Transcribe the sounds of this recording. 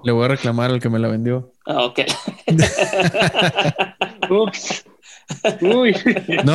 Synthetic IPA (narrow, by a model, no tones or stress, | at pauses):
leβo̞jare̞klamaɾalke̞me̞laβẽ̞nd̪jo̞ | aoke | uks | ujno